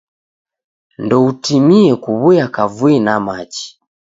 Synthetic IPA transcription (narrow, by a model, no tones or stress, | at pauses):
ndɔutimiɛkuβujakavwinamat͡ʃi̥